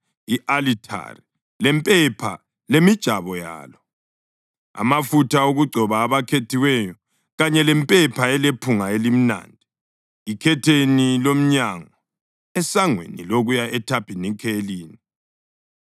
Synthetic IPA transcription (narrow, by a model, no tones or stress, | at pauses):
iʔalitʰa̰ri | lɛmpʼɛpʰa̰ | lemid̥ʒ̥ʱaβɔja̰ːlɔ | a̰mafutʰaoɣuɡ͡ǀʱɔβaːβakʰetʰiwɛjɔ | ɣaɲɛlɛmpʼɛpʰaɛlepʰuŋaelim̩na̰ːndʱi | ikʰɛtʰenilom̩ɲaŋɔ | ɛsaŋwḛnḭloɣujaʔɛtʰapʰinikʰeliːni